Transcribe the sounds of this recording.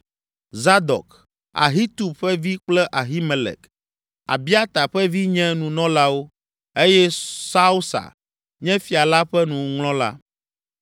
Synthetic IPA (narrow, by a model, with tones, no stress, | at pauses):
za˦d̪ɔ̰˨k | a̰˨ɦi˦t̪u˨bɸɛ˦vi˦k͡plɛ˦ʔa˨ɦi˦mɛ˨lɛ̰˨k | a̰˨bi˦a˦t̪a˨ɸɛ˦vi˦ɲɛ̃˦nũ˨nɔ̃˦la˦wo˦ | e˦jɛ˦sa˦u˦sa̰˨ | ɲɛ̃˦fi˨a˨la˦ɸɛ˦nũ˨˦ŋlɔ̃˦la̰˦